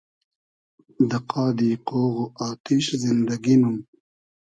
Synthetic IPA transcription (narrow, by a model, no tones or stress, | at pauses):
d̪əqɑːd̪iqoːɣoʔɑːt̪ɪʃzɪnd̪aɡinum